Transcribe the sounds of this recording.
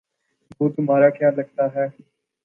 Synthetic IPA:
ʋoːt̪ʊmɦaːɾaːkjaːlɐɡ̚t̪aːɦɛː

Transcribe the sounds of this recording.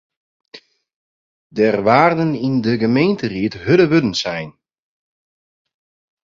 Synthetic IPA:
dɛrʋaːrdənindəɡəmeːntəriətɦødəʋødən̩sɛjn

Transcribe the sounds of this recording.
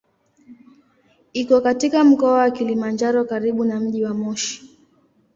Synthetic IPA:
ikɔkatikam̩kɔawakilimand͡ʒaɾɔkaɾiɓunam̩ʄiwamɔʃi̥

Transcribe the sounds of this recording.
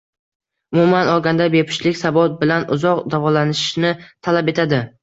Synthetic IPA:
ʊmumanɒlˠɡʲand̪abepʰɪ̥ʃlɪkʲsabɒt̪̚bɪlanʊzɒqd̪avɒlanɪʃnɪt̪ʰalape̞t̪ʰad̪ɪ

